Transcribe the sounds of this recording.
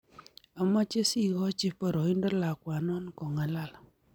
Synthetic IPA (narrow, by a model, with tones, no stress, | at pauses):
a˨mɔ˦t͡ʃe˦si˦ɣɔ˦t͡ʃi˦pɔ˦˨ɾɔ˨i˦ndɔ˦la˨kwa˨nɔ˦nkɔ˨ŋa˨la˦˨l